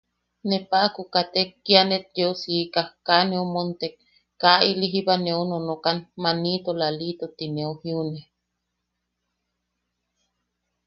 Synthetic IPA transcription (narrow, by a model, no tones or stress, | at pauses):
nepaʔkukat̪ekːianet̪̚d͡ʒeosiːkahkanẽomont̪ek | kːaʔiliɦibaneononokanmanit̪olalit̪ot̪ineohiune